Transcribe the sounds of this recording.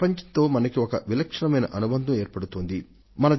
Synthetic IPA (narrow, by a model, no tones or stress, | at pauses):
pɐɲt͡ʃɐnt̪o̞ːmɐnɐkiɔkɐʋilɐkʂɐɳɐmɐjnɐʔɐnubɐnd̪ʱɐme̞ːɾpɐɽut̪oːnd̪i | mɐnɐ